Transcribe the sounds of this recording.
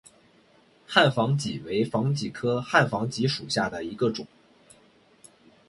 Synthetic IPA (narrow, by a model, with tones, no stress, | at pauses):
xa˥˩nfɑ˧˥ŋt͡ɕi˨˩we˧˥ɪfɑ˧˥ŋt͡ɕi˨˩kʰɤ˥xa˥˩nfɑ˧˥ŋt͡ɕi˧˥ʂu˨˩ɕja˥˩d̪ə˩i˧˥ɡə˧ʈ͡ʂʊ˨˩˦ŋ